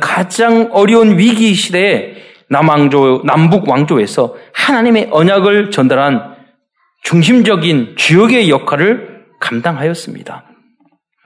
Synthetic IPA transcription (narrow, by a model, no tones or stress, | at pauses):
kad͡ʑaŋʌɾjʌunɥiɡiɕʰide̞ː | nonambuɡwaŋd͡ʑoe̞sʰʌhanaɲime̞ʔʌɲaɡɯɭt͡ɕʌndaɾɦan | t͡ɕuŋɕ̬ʰimd͡ʑʌɡint͡ɕujʌɡe̞jʌkʰwaɾɯɭ | kamdaŋɦajʌs͈ɯmɲḭd̥a